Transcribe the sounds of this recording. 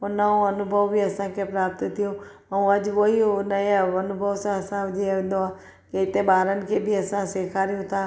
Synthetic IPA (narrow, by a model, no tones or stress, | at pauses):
ʊnaõɐnʊbʱəʋbiɐsãkʰepɾaːp̚t̪t̪ʰijõ | ɐũɐʄʋoinəeɐnʊbʱəʋsãɐsãd͡ʒeʋ̃n̆d̪oaː | keɪt̪ẽɓaːɾənɪ̆kʰebʱiɐsãseːkʰaːɾijũt̪ʰaː